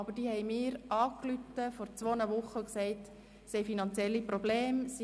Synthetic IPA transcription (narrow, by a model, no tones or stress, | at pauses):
ɑbəd̥iːhɛɪmɪːɾʔɑːklytəfɔɾt͡sʋoːnəʋʊχːəksɛɪt | sɛjfinɑnt͡sjɛlːipɾobleːmsi